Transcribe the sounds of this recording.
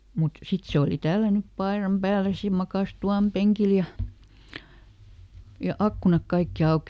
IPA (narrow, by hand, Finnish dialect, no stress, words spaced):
mut sit se oli tælːænyp pɑerɑm pæːles jɑ mɑkɑˑs tuɑˑm peŋkil jɑ jɑ ɑkːunɑk kɑikːi ɑuki